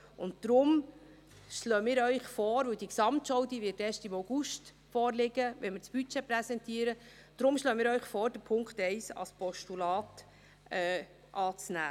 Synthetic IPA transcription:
ʊnt̚d̥ɾʊm | ʃløːəmɪːɾœʏχfɔːɾʋɵwd̥iksɑmtʃɔwdiʋɪtɛːʃtimoʊɡ̥uʃt | fɔːɾlɪɡəʋɛnmɪt͡sb̥yt͡ʃɛpɾɛsɛntiːəɾəd̥ɾʊmʃløːəmɪːɾœʏχfɔːɾd̥əɾpʰʊŋkχtɛɪsɑ̰spɔʃtulɑːt | ɛː | ʔɑːt͡snæ̰ː

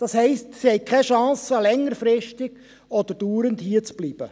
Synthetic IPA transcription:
d̥ɑshɛɪstsihɛjkʰɛʃɑ̃ːsəlɛŋːəɾfɾɪstɪɡ̥ | ɔd̥̪əɾd̥uːɾənthiət͡sb̥liːb̥ə

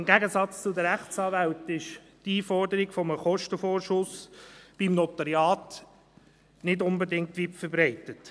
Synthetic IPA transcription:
ɪmɡæɡəsɑt͡st͡sʊd̪əɾæχt͡sɑːvæltɪʃ | tiːfɔrdəɾiɡfɔməχɔʃtəfoːɾʃʊsb̥imnɔtəɾjɑːt | nɪdʊnbədɪŋ̚tʋitfəɾbɾɛɪtət

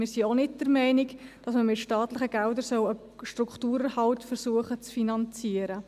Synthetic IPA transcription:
mɪːɾsionɪtd̥əɾmɛɪnɪkd̥ɑsməmɪtʃtɑːtlɪχəɡ̥ɛldəɾsœwə | ʃtɾukχtuːɾəhɑltfəɾsuəχət͡sfinɑnt͡siəɾə

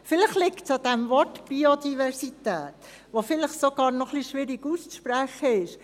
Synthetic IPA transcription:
fɪləχlɪktsɑd̥̪ɛmvɔrtb̥iod̪ivɛrsit̪æ̰ːt̪ | ʋofɪləχsoɡɑːɾnɔχliʃʋɪɾiɡust͡sʃpɾæχəɪʃ

